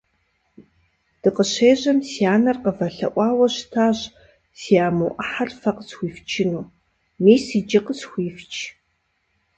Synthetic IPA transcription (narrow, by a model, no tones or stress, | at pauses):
d̥ɨqəɕeːʑɐmsijaːnɐrqəvɐɬɐ̰ʔʷʼɑːwɐɕtʰaːɕ | siaːmuːʔɐħarfɐqəsxʷiːft͡ʃʰɪnuː | miːsiːd͡ʒɪqəsxʷiːft͡ʃʼʰ